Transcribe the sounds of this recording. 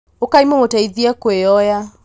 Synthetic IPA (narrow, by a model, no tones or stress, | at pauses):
okaimomotaiðiakweɔja